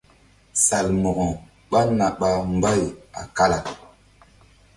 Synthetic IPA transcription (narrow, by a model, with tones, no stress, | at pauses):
sa˨lmo˨ɣɔ˨ | ɓa˦na˨ɓa˨m˦ba˦ja̰˨ka˦la˨